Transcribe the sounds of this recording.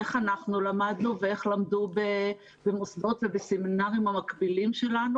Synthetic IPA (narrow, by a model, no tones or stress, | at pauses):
eχanaχnulamad̪nuvee̞χlamdube | bemosdo̞tvebeseminaʁimhamakbilimʃe̞lanu